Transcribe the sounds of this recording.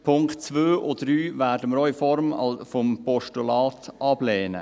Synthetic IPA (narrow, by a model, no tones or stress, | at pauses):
pʰʊŋktt͡svøːʔodryːvæːɾdəməɾœʏfɔɾmɑ̰lfɔmpɔʃtulɑːtʔɑbleːnə̰